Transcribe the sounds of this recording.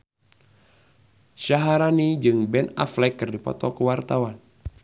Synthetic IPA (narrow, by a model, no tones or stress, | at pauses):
ʃaɦaɾanid͡ʒɨŋbɛna̰flɛkːɨrdipɔ̰t̪ɔkəwart̪awan